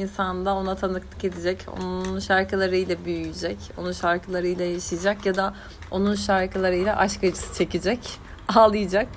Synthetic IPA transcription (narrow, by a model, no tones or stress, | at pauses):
insand̪ao̞nat̪ʰanɯklˠɯke̞d̪id͡ʒɛco̞̰nunnʃaɾkɯlˠaɾɯjlʲɛbyjyjid͡ʒɛco̞nunʃaɾkʰɯlˠaɾɯjlʲˠajaʃijd͡ʒakjad̪a | o̞nunʃaɾkɯlˠaɾɯjlʲaʔaʃkad͡ʒɯ̥sɯ̥t͡ʃʰe̞cid͡ʒɛc | aːlˠɯjɯd͡ʒak̚